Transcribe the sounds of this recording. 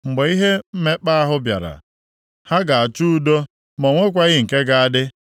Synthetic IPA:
ŋ͡m̩˨ɡ͡be˨i˦ɦe˦m̩˦me˦k͡pa˦a˦ɦʊ˦bja̰˨ɾa̰˨ | ha˦ɡa˨a˨t͡ʃu˦do˦ | mo˨ŋʷe˦kʷa˦ɣɪ˦ŋ̩˨ke˦ɡa˦˨a˦dɪ˦

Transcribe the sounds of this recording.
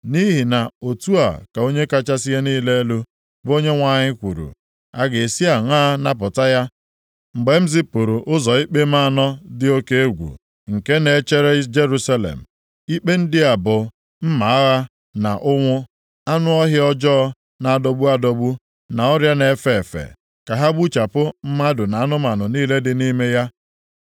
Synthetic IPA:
ni˦ɦi˨na˨o˨tu˦a̰˨ka˨o˦ɲe˦ka˦t͡ʃa˦si˦ɦe˦niː˦le˦e˦lu˦ | bo˦ɲe˦ŋʷa˨ɲɪ˦kʷṵ˨ɾṵ˨ | a˦ɡe˨si˦a˨ŋʷaː˦na˦p̬ʊ˨ta˦ja˦ | ŋ͡m̩˨ɡ͡be˨m̩˦zɪ˦pʊ˨ɾu˨ʔʊ˦zɔ˨i˦k͡pe˦m̩a˦˨nɔ˦dɪ˦o˦ke˦e˦ɡʷṵ˨ | ŋ̩˨ke˦ne˨˦t͡ʃe˦ɾe˦d͡ʒe˦ɾu˦sa˦lḛ˨m̩˨ | i˦k͡pe˦n̩˦dɪ˦a˨bʊ˨ | m̩˦ma˨a˦ɣa˦ | na˨ʔʊ˦ŋʷʊ˦ | a˦nʊ˦ɔ˦ɦɪ˦ɔ˦d͡ʒɔ˦ | na˨a˦˨dɔ˦bu˦a˦dɔ˦bu˦ | na˨ɔ˦ɾja˦ne˨˦fe˨fḛ˨ | ka˨ɦa˦ɡ͡bu˦t͡ʃa˨pʊ˦m̩˦ma˦dʊ˨na˨a˦nʊ˦ma˨nʊ˨niː˦le˦dɪ˦ni˦me˦ja˦

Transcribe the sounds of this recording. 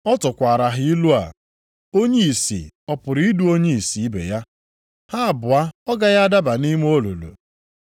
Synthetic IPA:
ɔ˦tʊ˨kʷa˨ɾa˨ɦɪ˦i˦lu˦a̰˨ | o˦ɲe˦i˨sḭ˨ɔ˦pʊ˨ɾi˦i˦du˦o˦ɲe˦i˨si˨i˦bḛ˨ja˦ | ha˦˨bʊ˨a˦ɔ˦ɡa˦ja˦a˦da˦ba˨ni˦m˦o˦lo̰˨lo̰˨

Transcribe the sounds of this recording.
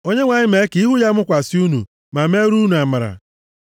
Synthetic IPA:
o˦ɲe˦ŋʷa˨ɲɪ˦me˨˦ki˦ɦʊ˦ja˦mʊ˦kʷa˨sɪ˦u˦nṵ˨ | ma˨me˦ɾu˦nu˨a˨ma˨ɾa̰˨

